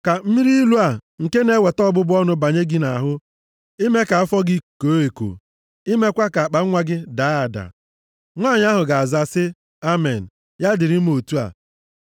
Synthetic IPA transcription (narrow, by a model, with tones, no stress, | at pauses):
ka˨m̩˦mi˦ɾi˦i˦lu˦a˨ŋ̩˨ke˦ne˦we˨tɔ˦bʊ˦bʊ˦ɔ˦nʊ˦ba˨ɲe˦ɡi˦na˨a˨ɦʊ˦ | i˦me˦ka˨a˦fɔ˦ɡɪ˦˨ko˨˦e˨ko̰˨ | i˦me˦kʷa˦ka˨a˨k͡pa˨˦ŋʷa˦ɡɪ˦da˨˦a˨da̰˨ | ŋʷa˦˨ɲ˦a˦ɦʊ˨ɡa˨a˨za˨sɪ˦ | a˦me˨n̩˨ | ja˦dɪ˨ɾɪ˦m̩˦o˨tu˦a̰˨